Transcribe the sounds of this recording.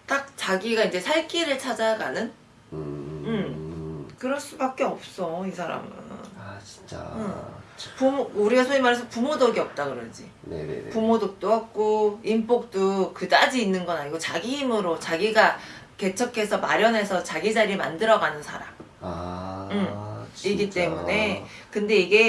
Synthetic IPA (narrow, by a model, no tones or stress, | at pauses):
t͈ak̚t͡ɕaɡiɡaind͡ʑe̞sʰaɭk͈iɾɯɭt͡ɕʰad͡ʑajaɡa̰nɯn | ɯm | kɯɾʌɭs͈ubak̚k͈e̞ʌp̚s͈ʌisʰaɾa̰mɯ̰nt͡ɕi̥t͡ɕa̰ | pumouɾiɡasʰoimaɾesʰʌpumodoɡiʌp̚t͈akɯɾʌnd͡ʑḭ | n̰pumodok̚t͈oɦak̚k͈oimp͈ok̚t͈okɯdad͡ʑiːnːɯnɡʌnaɲiɡot͡ɕaɡihimɯɾot͡ɕaɡiɡa | ke̞t͡ɕʰʌkʰe̞sʰʌma̰ɾjʌnɦe̞sʰʌt͡ɕaɡid͡ʑaɾima̰ndɯɾʌɡanɯnsʰa̰ɾa̰m | ɯmiɡit͈e̞mune̞kɯnde̞iɡe̞